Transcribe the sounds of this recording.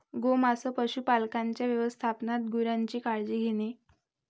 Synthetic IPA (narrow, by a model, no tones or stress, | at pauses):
ɡomasəpəɕuːpalkaɲt͡ɕjaʋjəʋəst̪ʰapnat̪̚ɡuɾjaɲt͡ɕiːkaɭd͡ʑiːɡʱene